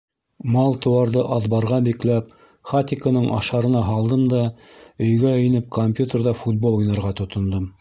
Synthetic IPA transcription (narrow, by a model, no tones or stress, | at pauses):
mɑlˠt̪ɤ̆wɑɾðɤʔɑðbɑɾʁɑbiklæp̚ | χat̪ʲɪkənɤɴʔɑ̰ʃɑɾɤ̆nɑɦɑlˠd̪ɤmd̪ɑ | ɵ̆jɡæɘ̆jnɘp̚kʰomʲpʲjut̪ʲerðɑfut̪̚bolˠujnɑ̆ɾʁɑt̪ŏt̪ŏnd̪ɤm